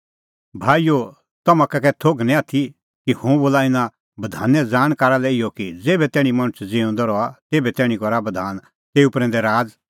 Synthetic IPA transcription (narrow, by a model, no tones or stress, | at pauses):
bʱaːijo | t̪ɐmãkɛkɛt̪ʰoːɡnɛ̃at̪ʰi | kihõboːlaɪnã | bɐd̪ʱa̰ːnɛd͡zaːɽ̃kaːɾalɛɪɔkid͡zeːbɛt̪ɛːɽ̃ĩmɐɽ̃ʊt͡sʰd͡zeːõnd̪ɔɾɔat̪eːbɛt̪ɛːɽ̃ĩkɔɾabɐd̪ʱaːn | t̪eːupɾɛ̃nd̪ɛɾaːd͡z